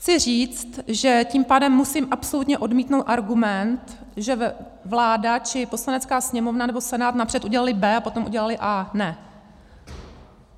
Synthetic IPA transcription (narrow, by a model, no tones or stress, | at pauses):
xt͡sɪr̝iːt͡st̪ʒɛciːmpaːdɛmːusiːmʔapso̞lut̪ɲɛʔo̞dmiːt̪nowt̪ʔaɾɡumɛnt̪ | ʒɛ | vlaːdat͡ʃɪpo̞slanɛt͡skaːsɲɛmo̞vnanɛbo̞sɛnaːt̪napr̝̥ɛt̪uɟɛlalɪbɛːapo̞t̪o̞mʔuɟɛlalɪʔaːnɛ